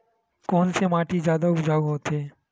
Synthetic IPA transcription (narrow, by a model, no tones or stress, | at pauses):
kɔːnsemaːʈizjaːd̪aʊpd͡ʒaːuɦoːt̪ɦeː